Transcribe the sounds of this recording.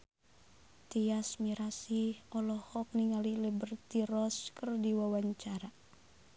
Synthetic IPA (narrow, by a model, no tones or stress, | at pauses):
t̪iasmiɾasiɔlɔhɔk̚niŋalilibərt̪iɾɔskərdiwawaɲt͡ʃaɾa